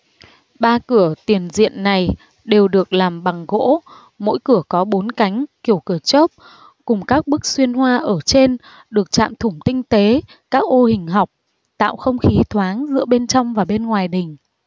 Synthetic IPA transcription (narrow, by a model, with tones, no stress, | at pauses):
ɓaː˧kɨ˧˩ət̪i˨˩ənzḭ˧˨ənːa˨˩j | ɗe˨˩wɗɨ˨˩ək̚laː˨˩mɓa˨˩ŋɣo̰˧˥ | mo̰˧˥jkɨ˧˩əkɔ˨˦ɓo˨˦nka˨˦jŋ̟ki˧˩əwkɨ˧˩ət͡ɕo˦˥p̚ | kʊ˨˩ŋ͡mkaː˦˥k̚ɓɨ˦˥k̚swi˧ənhwaː˧ʔəː˧˩t͡ɕe˧n | ɗɨ˨˩ək̚t͡ɕa̰ː˧˨mt̪ʰʊ˧˩ŋ͡mt̪ï˧ŋ̟t̪e˨˦ | kaː˦˥k̚ʔo˧hï˨˩ŋ̟ɦa˨˩wk͡p̚ | t̪a̰ː˧˨wxə˧wŋ͡mxi˨˦t̪ʰwaː˨˦ŋzɨ̰˧˥əɓe˧nt͡ɕɔ˧wŋ͡mvaː˨˩ɓe˧nŋwaː˨˩jɗï˨˩ŋ̟